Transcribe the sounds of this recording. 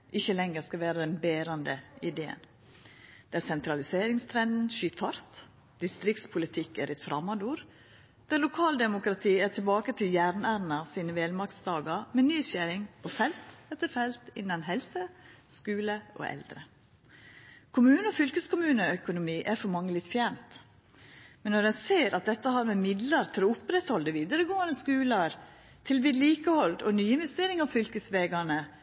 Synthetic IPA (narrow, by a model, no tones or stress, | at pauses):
ʔɪçəlɛŋːəɾskɑʋeːɾəd̪ɛnbeːɾɑnd̪əɪd̪eːə̰n | d̪̥ɛɾsɛnt̪ʰɾɑlɪseːɾɪŋst̪ʰɾɛnd̪n̩ʃyːt̪fɑɾt̪ | d̪̥ɪst̪ɾɪkt̪spʰʊlɪt̪ʰɪkæɾʔɛt̪fɾɑmɑd̪uːɾ | d̪̥ɛlʊkʰɑːld̪ɛmʊkɾɑt̪ʰiːætʰɪlbɑːkət̪ʰɪljæːɾnæːɾnɑsiːnəʋeːlmɑkt̪sd̪ɑːɡɑɾmɛːnyːsæɾɪŋpʰofɛlt̪ɛt̪ːəɾfɛlt̪ɪnːɑnɦɛlsə | skʉːləʔɔ̰ʔɛ̰ld̪ɾə | kʰʊmʉːnəɔfʏlkəskʊmʉːnəœkʊnʊmiːʔæɾfɔɾmɑŋːəlɪt̪ːfjænt̪ | mɛnːɔɾɛnseːɾɑt̪̚d̪ɛt̪ːəhɑɾmɛmɪd̪ləɾt̪ʰɪlɔʊpɾɛt̪hɔld̪əʋiːd̪ɑɾəɡoːɑnəskʉːlɑɾ | t̪ʰɪlʋɪd̪liːkəhɔld̪ɔnyːɪnʋɛst̪eːɾɪŋɑʋfʏlkəsʋeːɡɑnə